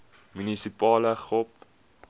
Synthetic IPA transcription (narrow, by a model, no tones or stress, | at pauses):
mynisipɑːləχɔp